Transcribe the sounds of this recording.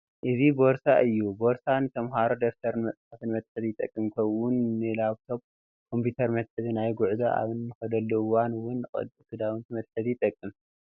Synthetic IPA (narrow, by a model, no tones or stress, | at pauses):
ʔɨzibo̞ɾsaʔɨjːubo̞ɾsanɨt̪ʰɐmɦaɾod̪oft̪ʰɐɾɨnmɐsʼħat̪ʰɨnmɐt̪ʼħɨzijɪt̪ʼːɐ̰kʼːɨmkʰɐwʊnːɨlaβt̪ʰo̞b̚ | kʰo̞mpʰjut̪ʰɐɾmɐt̪ħɨzinajɡʊʕzaʔa̰βɨnːɨxɐd̪ɐlːuwanwʊnʼɨ̰d̪kʰɨd̪awɨnt̪ʰimɐt̪ʼħɨzit̪ʼɐkʼːɨm